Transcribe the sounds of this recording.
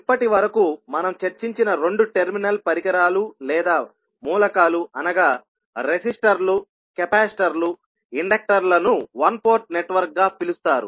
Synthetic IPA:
ipːɐʈiʋɐɾɐkumɐnɐmt͡ʃeɾt͡ʃiɲt͡ʃinɐɾo̞ɳɖuʈeɾminɐlpɐɾikɐɾaːlulɛːd̪aː | muːlɐkaːluɐnɐɡaː | ɾesisʈɐɾlu | kɛpaːsʈɐɾlu | iɳɖɐk̚ʈɐɾlɐnuʋɐnpoːɾʈ̚neʈːʋɐɾk̚ɡaːpilust̪aːɾṵ

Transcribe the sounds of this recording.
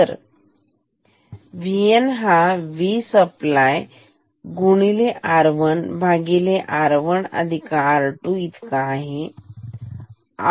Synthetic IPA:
əɾ | ʋienɦaʋisəplaj | ɡuɳ̃ileʔaɾʋəɳbʱaɡileʔaɾʋəɳə̰d̪ʱikaɾʈuit̪ʰkaːɦe | a̰

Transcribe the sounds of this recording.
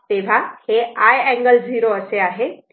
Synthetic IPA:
t̪eːʋʱaheaːjɛ̃ːŋɡəlziːɾoəseaːɦe

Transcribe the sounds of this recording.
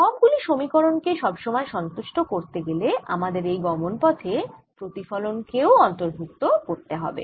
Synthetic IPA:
kɔbɡuliʃomikoɾonkeʃɔbʃomɔeʃɔnt̪uʃʈokoɾt̪eɡelea̰mad̪eɾejɡɔmonpɔt̪ʰepɾot̪ifɔlonkeoɔnt̪oɾbʱuk̚t̪okoɾt̪eɦɔ̰bḛ

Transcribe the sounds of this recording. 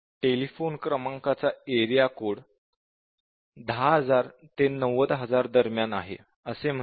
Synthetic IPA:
ʈelifonkɾəmaŋkat͡saeɾijakoɽ | d̪ʱaɦəd͡zaɾt̪enəʋəd̪ɦəd͡zaɾd̪əɾmjanaɦḛ | əsem̤ə

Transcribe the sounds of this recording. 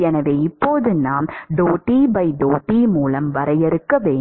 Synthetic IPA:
ɛnɐʋeːɪpːoːðɯnaːmɖoːʈːiːbɐɪɖoːʈːiːmuːlɐmʋɐɾɐjɛɾɯkːɐʋeːɳ

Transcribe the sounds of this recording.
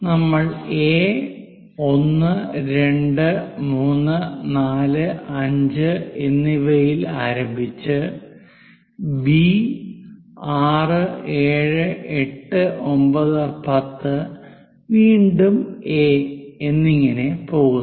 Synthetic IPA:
nɐmːɐɭeː | o̞nːɨɾe̞ɳɖɨmuːnːɨnaːlɨɐɲd͡ʑɨenːiʋɐjilaːɾɐmbʱit͡ɕːɨ | bi | aːrɨe̞ːɻɨeʈːɨʔo̞mbɐðɨpɐt̪ːɨ | ʋiːɳɖume̞enːiŋːɐne̞po̞ːɣun

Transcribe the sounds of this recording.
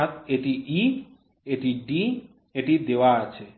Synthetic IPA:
at̪eʈiʔi | eʈiɖi | eʈid̪ewaat͡ɕʰe

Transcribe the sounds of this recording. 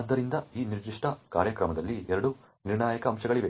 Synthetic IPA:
ɐd̪ːɐɾind̪ɐiːniɾd̪iʂʈʰɐkaːɾjɐkɾɐmɐd̪ɐlːiɛɾɐɽu | niɾɳaːjɐkɐːmʃɐɡɐɭiʋe

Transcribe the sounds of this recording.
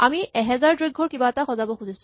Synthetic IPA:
amiɛɦɛzaɹdɹeɡʱːɔɹkibaɛtaxɔzabɔxuisʊ̃

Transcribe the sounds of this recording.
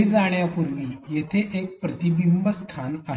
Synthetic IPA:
id͡zaɽ̃japuɾʋiːjet̪ʰeʔek̚pɾət̪ibimbəst̪ʰana

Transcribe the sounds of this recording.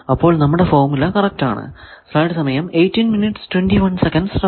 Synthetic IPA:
ɐpːo̞ːɭnɐmːuɽe̞fo̞ːmilːɐkɐrɐk̚ta̰ːɳɨ̰ | slɐjɖsɐmɐjɐmejtːinminiʈstwenɖiʋɐnsekɐnɖsrɐ

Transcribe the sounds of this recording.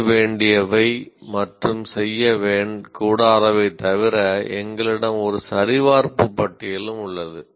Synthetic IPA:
ʋeːɳɖɪjɐʋɐɪmɐʈrɯmsɛjːɐʋeːɳkuːɽaːðɐʋɐɪt̪ːɐʋɪɾɐɛŋɡɐɭɪɽɐmɔɾɯsɐɾɪʋaːɾpɯpːɐʈːɪjɪlɯmʊɭːɐðɯ

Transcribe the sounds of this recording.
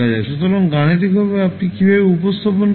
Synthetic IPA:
ad͡ʑaeʃut̪ɔɾɔŋɡaɽ̃ed̪ikbʱɔβeapnikibʱabeupost̪ʰapon

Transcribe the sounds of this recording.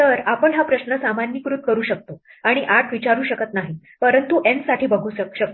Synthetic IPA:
t̪əɾapəɳɦapɾəɕnəsamanjikɾut̪̚kəɾuːɕək̚t̪o | aɽ̃iʔaʈʰʋit͡ɕaɾuːɕəkət̪naɦi | pəɾənt̪uʔensaʈʰiːbəɡʱuːɕək̚t̪

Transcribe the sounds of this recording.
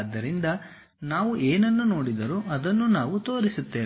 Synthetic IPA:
d̪ːɐɾind̪ɐ | naːʋuʔeːnɐnːuno̞ːɽid̪ɐɾuʔɐd̪ɐnːunaːʋut̪o̞ːɾisut̪ːe̞ː

